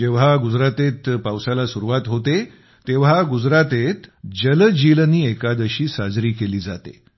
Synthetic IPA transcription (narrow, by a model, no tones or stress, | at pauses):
d͡ʑeʋ̤aɡud͡zɾat̪et̪pawsalasuɾuʋat̪ɦot̪e | t̪eʋ̤aɡud͡zɾat̪et̪d͡ʑəld͡ʑilniːekad̪əɕiːsad͡zɾiːkeliːd͡za̰t̪ḛ